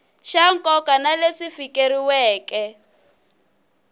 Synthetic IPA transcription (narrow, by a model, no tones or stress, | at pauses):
ʃaŋ̩kʼɔkanalesifikeɾiwɛːkɛ